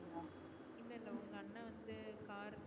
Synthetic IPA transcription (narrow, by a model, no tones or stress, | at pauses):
ɯŋõː | ɪlːɐɪlːɐʊŋɡɐɐnːɐʋɐnd̪ɯkaːɾ